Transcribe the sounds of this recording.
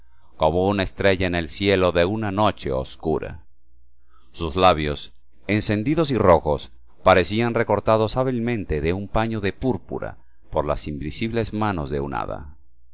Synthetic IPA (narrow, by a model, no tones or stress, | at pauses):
koβounaest̪ɾe̞ʝaene̞lsje̞lo̞ðe̞unano̞t͡ʃe̞̰o̰skuɾa̰ | uzlaβjo̞s | e̞nse̞nd̪iðo̞s̬iro̞xo̞s | paɾe̞sianre̞ko̞ɾt̪aðo̞saβ̞ilmẽ̞nt̪e̞ðe̞umpaɲo̞ðe̞puɾpṵɾa̰ | po̞ɾla̰simbisiβle̞zmano̞zðe̞una̰ða̰